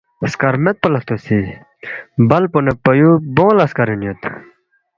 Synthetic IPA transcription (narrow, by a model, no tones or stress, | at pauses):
ɐskɐɾmet̪̚pɐlɐt̪usi | bɐlponepɐjubõːlɐskɐɾinjot̪